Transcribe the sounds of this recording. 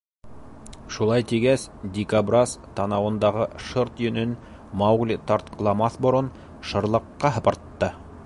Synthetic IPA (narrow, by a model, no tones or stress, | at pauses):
ʃulˠɑjt̪iɡæsd̪ʲikabrast̪ɑnɑwɤ̆nd̪ɑʁɤʃɤɾt̪jɵ̆nɵn | mɑwɡlʲt̪ɑɾt̪̚qʰɤ̆lˠɑmɑθbŏɾɤn | ʃɤ̆ɾlˠɤ̆qːɑɦɤ̆pɑ̆ɾt̪ːɤ